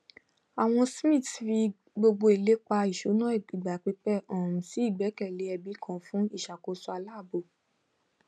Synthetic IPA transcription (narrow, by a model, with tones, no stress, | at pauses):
a˨w̃ɔ̃˧smĩ˦˨tfi˧ɡ | ɡ͡bo˧ɡ͡bo˧i˨le˨˦k͡pa˧i˨ʃu˨˦nã˦i˦˨i˨ɡ͡ba˨k͡pi˧k͡pɛ˦˨ɔ̃˨ɾũ˨si˨˦i˦˨ɡ͡bɛ˨˦kɛ˦˨le˨˦ɛ˧bi˨˦kʰɔ̃˦˨˦fũ˦i˦˨ʃa˨ko˧˦su˧˦a˧la˦˨bo˨